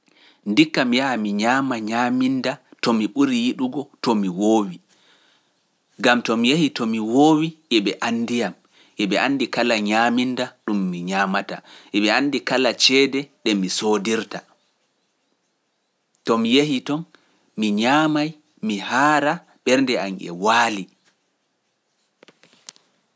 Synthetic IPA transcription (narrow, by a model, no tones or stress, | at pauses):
ndikːamijaamiɲaːmaɲamindatɔmiɓuɾijiɗuɡɔtɔmiwoːwi | ɡamtɔmijehitɔmiwoːwiʔɛɓɛʔandijam | ʔɛɓɛʔanːdikalaɲamindaɗumːiɲamataʔɛɓɛandikalat͡ʃɛːdɛɗɛmisodiɾta | tɔmjehitɔn | miɲaːmaj | mihaːɾa | ɓɛɾndɛa̰nɛ̰waːli